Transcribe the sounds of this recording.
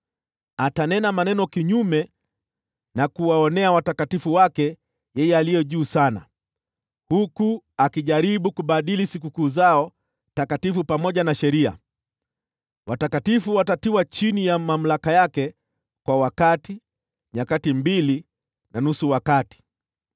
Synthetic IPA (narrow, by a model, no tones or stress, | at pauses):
atanɛnamanɛnɔkiɲumɛ | nakuwaɔnɛawatakatifuwakɛ | jɛjɛalijɛʄuːsana̰ | hukuakiʄaɾiɓukuɓaɗilisik̬ukuːzaɔ | takatifupamɔʄanaʃɛɾia̰ | watakatifuwatatiwat͡ʃinijamam̩lakajakɛ | kwawakati | ɲakatimbili | nanusuwakati̥